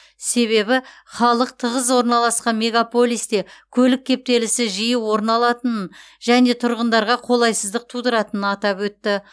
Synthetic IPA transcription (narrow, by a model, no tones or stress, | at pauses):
se̞βe̞bɪ | χɑlˠəq̚t̪ʰəʁəzwo̞ɾnɑlˠɑsqɑnme̞ɡapo̞lʲˠijst̪e̞kʲʰɵlɪk̚ʲʰːe̞p̚t̪e̞lɪsɪʒijəwo̞ɾnɑlˠɑt̪ən | ʒ̥æne̞t̪ʰʊɾʁənd̪ɑɾʁɑqʰo̞lˠɑjsəzd̪əq̚t̪ʰud̪əɾɑt̪ənənɑt̪ɑpwɵt̪ːɪ